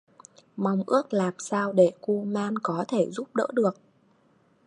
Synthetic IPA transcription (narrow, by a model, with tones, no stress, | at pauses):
ma˨˩wŋ͡mʔɨ˦˥ək̚laː˨˩msaː˧wɗe˧˩ku˧maː˧nkɔ˨˦t̪ʰe˧˩zu˦˥p̚ɗə̰ː˧˥ɗɨ˨˩ək̚